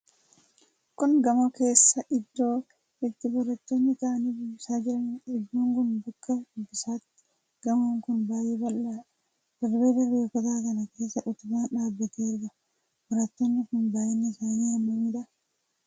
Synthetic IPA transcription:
kʊŋɡɐmɐke̞ːsːɐʔɪd̪ːo̞ː | ɪt̪ːɪbɔɾɐt̪ːonːɪt̪ɐʔɐniːbɪbɪsaːd͡ʒɪɾɐnᶑɪd̪ːuːŋɡʊnd̪ʊkːɐbɪsaːt̪ːɪ̥ | ɡ̥ɐmoːŋkʊnbaːjebɐlːa | d̥ɐɾbeːb̪ɐɾbeɔkɔt̪aːkɐnɐke̞ːsːɐʔʊt̪ʊbaːnᶑaːbːɐt̪eːɾɡɐ | bɔɾɐt̪ːonːɪkʊnbaːjɛnːɛsaːniːɐmːɐmiːᶑɐ

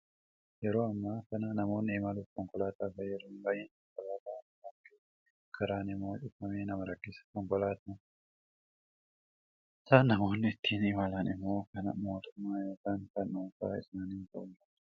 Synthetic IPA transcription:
jɛɾo̞ːɐmːaːkɐnɐnɐmo̞ːnːɪːmalʊfkɔŋkɔlaːt̪aːfɐjɛɾoːnbajɛnkɔŋkɔlaːt̪a | ɐkːɪ | kʰɐɾaːnɪmːoːt͡ʃɪfːɐmeːnɐmɐɾɐkːɪsɐ̥kɔŋkɔlaːt̪nɐ | ɪsaːnːɐmo̞ːnːɪɪt̪ːiːnɪmalɐnɪmːo̞ːkɐnɐ̰mo̞ːt̪ʊmːaːjoːkaːnkɐnːuːka̰ːɪsnaːnɪnt̪ɐʊnɐ

